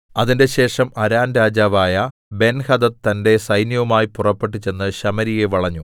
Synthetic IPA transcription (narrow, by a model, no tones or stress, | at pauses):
ɐðinde̞ɕe̞ːʂɐmɐɾaːnɾaːd͡ʑaːʋaːjɐ | be̞nhɐd̪ɐt̪ɐnde̞sɐjnjɐʋɐmaːjipurɐpːe̞ʈːit͡ɕːe̞nːɨɕɐmɐɾije̞ʋɐɭɐɲːu